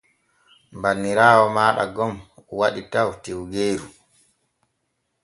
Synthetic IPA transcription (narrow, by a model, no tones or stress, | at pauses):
mbanːiɾaːwɔmaːɗa̰ɡɔmuwaɗitawtewɡeːɾu